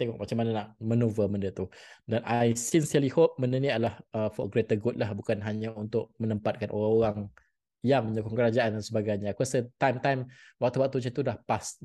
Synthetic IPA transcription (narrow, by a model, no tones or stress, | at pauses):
t̪eŋɔʔmat͡ʃamːananaʔmənuvəmə̃ndət̪udanajsinsiəlihop̚məndənialahəfɔ̰ɡɾet̪əɡut̚lahbukanɦaɲãunt̪ʊʔ̚mənəmpat̪̚kanʔo̰ɾaŋoɾaŋ | jaŋmə̃ɲukʊŋkəɾad͡ʒaʔandansəbaɡajɲakasət̪ajmt̪ajm | wak̚t̪uwak̚t̪ut͡ʃət̪udahpas